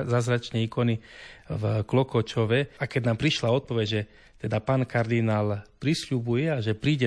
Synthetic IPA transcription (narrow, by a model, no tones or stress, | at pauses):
zazɾat͡ʃnɛiːkɔnivklɔkɔt͡ʃɔʋɛakɛd̪naːmpɾiʃlaɔt̪̚pɔʋɛɟʒɛ | t̪ɛd̪apaːnkaɾd̪inaːlpɾisʎubujɛaʒɛpɾiːɟɛ